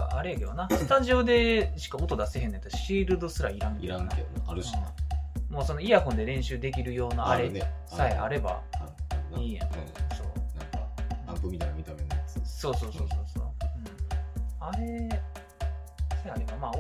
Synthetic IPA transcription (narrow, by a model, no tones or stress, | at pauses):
a̰aɾejaked̪onasɨ̥t̪aʑio̞d̪e̞ɕi̥kaot̪o̞d̪ase̞ɦẽ̞not̪oɕiːɾɯ̟d̪o̞sɨɾaiɾãŋkieɾãŋakeaɾɯinemo̞ːso̞no̞iakõ̞nd̪e̞ɾẽ̞ɰ̃ɕɨːd̪e̞k̬ʲiɾɯ̟jo̞ːnaaɾenesaeʔa̰ɾe̞ba̰ | iːã̰so̞̰ːnãŋkaãmpɯmʲit̪ainamʲit̪amenajat͡sɨ̥so̞ːso̞ːsoːsoːso̰ːɯ̟̃ | aɾe̞ | saeaɾebamaː